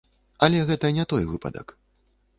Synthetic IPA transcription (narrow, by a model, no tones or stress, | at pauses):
ɐlʲɛɣɛt̪ɐnʲɛt̪ɔjvɨpɐ̰d̪ɐ̰k